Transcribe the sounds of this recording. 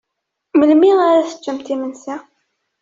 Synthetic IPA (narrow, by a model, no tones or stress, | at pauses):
məlmɪʁaɾaθə̥t͡ʃːəmt̪imənsa